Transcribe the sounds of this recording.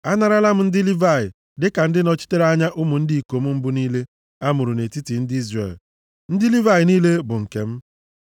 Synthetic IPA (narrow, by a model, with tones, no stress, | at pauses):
a˦na˨ɾa˦la˦m̩˦n̩˦dɪ˦li˦va˦˨ɪ˨ | dɪ˦ka˨n̩˦dɪ˦nɔ˦t͡ʃi̥˦te˦ɾa˦ɲa˦ʔʊ˦mʊ˨n̩˦di˨i˨ko˨m̩˦m̩˦bʊ˦niː˦le˦ | a˦mʊ˨ɾu˨ne˨ti˦ti˨n̩˦dɪ˦i˦zrḛ˨l | n̩˦dɪ˦li˦va˦jɪ˨niː˦le˦bʊ˨ŋ̩˨ke˨m̩˦